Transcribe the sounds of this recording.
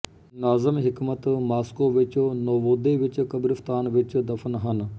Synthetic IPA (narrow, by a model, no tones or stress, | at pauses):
naːzəmɦɪkmət̪maːskoːʋɪt͡ʃnoːʋoːd̪eʋɪt͡ʃkəbɾɪft̪aːnʋɪt͡ʃd̪ɐfnɦən